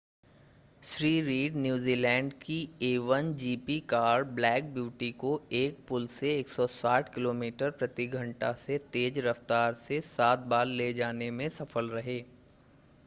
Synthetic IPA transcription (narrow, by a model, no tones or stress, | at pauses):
ʃɾiːɾiːɖnjuːziːlɛ̃ːɳɖkieːʋənd͡ʒiːpikaːɾblɛːk̚bjuːʈikoeːk̚pʊlseeːksɔsaːʈʰkɪloːmiːʈəɾpɾɐt̪iɡʱɐ̃ɳʈaset̪eːd͡ʒɾɐft̪aːɾsesaːt̪̚baːlːed͡ʒaːnemẽsɐfəlɾɐɦeː